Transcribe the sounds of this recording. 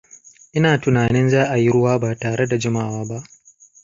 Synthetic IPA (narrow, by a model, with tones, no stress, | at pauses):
ʔɪ˦naː˨tʊ˨naː˨nɪ˦nzaː˦ʔa˨ji˦ɾʊ˦waː˦baː˨taː˨ɽe˦da˨d͡ʒɪ˦ma˦˨waː˦ba˦ʔ